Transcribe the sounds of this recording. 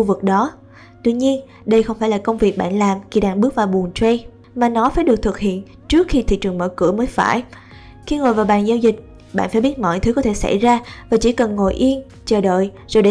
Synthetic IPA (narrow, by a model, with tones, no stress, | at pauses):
u˧vɨ˨˩k̚ɗɔ˨˦ | t̪wi˧ɲi˧ən | ɗə˧jxə˧wŋ͡mfaː˧˩jlaː˨˩kə˧wŋ͡mvi˨˩ək̚ɓa̰ː˧˨nlaː˨˩mxi˨˧˩ɗaː˧˩ŋɓɨ˦˥ək̚vaː˨˩ɓu˨˩ənt͡ɕwe˧ | maː˨˩nɔ˨˦faː˧˩jɗɨ˨˩ək̚t̪ʰɨ˨˩k̚hḭ˧˨ən | t͡ɕɨ˦˥ək̚xi˧t̪ʰḭ˧˨t͡ɕɨ˨˩əŋmə̰˧˩kɨ̰˧˩əməː˨˦jfa̰ː˧˩j | xi˧ŋo˨˩jvaː˨˩wɓa̰ː˨˩nzaː˧wzï˨˩k̟̚ | ɓa̰ː˧˨nfaː˧˥jɓi˦˥t̚mɔ̰˧˨jt̪ʰɨ˨˦kɔ˨˦t̪ʰe˧˩sa̰˧˩jzaː˧vaː˨˩t͡ɕḭ˧˩kə˨˩nŋo̰˧˨˩jʔi˧ən | t͡ɕəː˨˩ɗə̰ː˧˨j | zo˨˩jɗe˧